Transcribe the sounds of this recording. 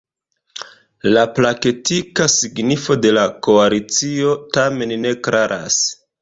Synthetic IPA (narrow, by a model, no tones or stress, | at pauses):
laplaketikasiɡnifo̞de̞lako̞alit͡sio̞tame̞nne̞klʔaɾʔa̰s